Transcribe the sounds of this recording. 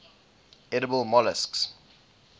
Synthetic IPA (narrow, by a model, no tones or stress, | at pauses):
ɛɾəbəlˠmɔləsks